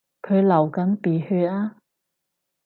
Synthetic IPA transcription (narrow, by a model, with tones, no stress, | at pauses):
kʰɵ˨˧lɐ˨˩wkɐ˨˥npiː˨˩hyː˧aː˥